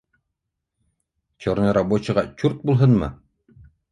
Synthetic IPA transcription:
t͡ɕoɾnɤɾabot͡ɕɤ̆ʁɑt͡ɕuɾt̪̚bulˠɦɤnmɤ̰

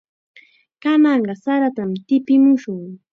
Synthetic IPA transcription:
kanɑɴɢɑsaɾat̪amt̪ɪpɪmʊʃʊŋ

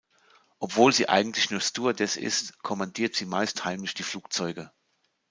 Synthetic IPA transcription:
ʔɔpv̥oːlzḭːʔa̰ɪɡŋ̩tʰlɪçnuːɐstuːɐdɛsɪ̰stkʰɔmandiːɐtz̥iːmaɪsthaɪmlɪçd̥iːfluːk̚t͡sɔʏɡə

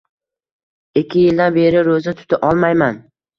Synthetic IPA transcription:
ekʲʰːɪjɪld̪anbe̞ɾɪɾozat̪ʰʊ̥t̪ʰaʔɒlˠmajman

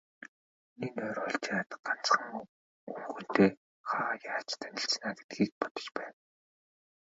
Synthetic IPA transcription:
ninœːɾɔːɮt͡ɕaːt̪ɢan̥t͡sχə̆ŋ | uːxŭn̥t̪eː | χajaːt͡ɕt̪ʰænʲɪ̆ɬt͡snaːɡe̥t̪̚ɡiːk̚pɔt̪ɞ̥̆t͡ɕpæːn

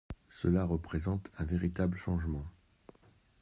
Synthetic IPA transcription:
səlaʁəpχezɑ̃t̪ɛ̃veʁit̪abləʃɑ̃ʒmɑ̃

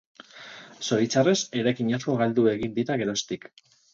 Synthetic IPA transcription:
so̞ɾit͡sare̞se̞ɾajkiɲasko̞ɣald̪ue̞ɣind̪iɾaɣe̞ɾo̞st̪ik

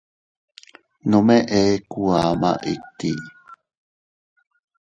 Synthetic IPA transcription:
nomeʔekuama̰ʔit̪ːi

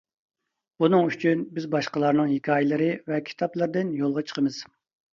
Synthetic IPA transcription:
b̥unɨŋyt͡ʃʰynbɪzbɑʃqəlˠɑɾnɨŋhikʰʲɑːjɪlˠɨɾɨvɛkʲʰi̥t̪ʰɑplˠɨɾd̪ɨnjolˠʁɑt͡ʃʰə̥qʰəmɨz̥

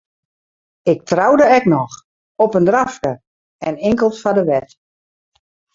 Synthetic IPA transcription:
ɪk̚trawdəɛknɔx | ɔpəndraftə | ɛnɪŋkəlˠsfadəʋɛt

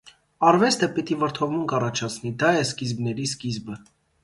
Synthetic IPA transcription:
ɑrvɛst̪ʰəpit̪ivəɾt̪ʰɔvmuŋkɑrɑt͡ʃʰɑt͡sʰnid̪ɑjɛskizbnɛɾiskizbə

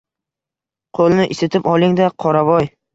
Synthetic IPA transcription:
qʰolˠnɪʔɪsɪt̪ʰɪpɒlˠɪŋd̪aqʰɒɾabɒj

